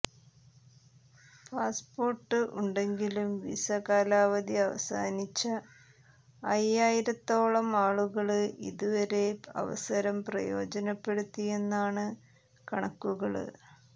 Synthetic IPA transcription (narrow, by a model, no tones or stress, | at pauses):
paːspo̞ːrʈːɨʔuɳɖe̞ŋɡilumʋḭsɐkaːlaːʋɐd̪iɐʋɐ̰sa̰ːnit͡ɕːɐ | jaːjiɾɐt̪ːo̞ːɭɐmaːɭuɣɐɭɨḭðuʋɐɾe̞ɐ̰ʋɐ̰sɐɾɐmprɐ̰jo̞̰ːd͡ʑɐnɐpːe̞ɽut̪ːije̞nːaːɳɨ | kɐɳɐkːuɣɐɭɨ̰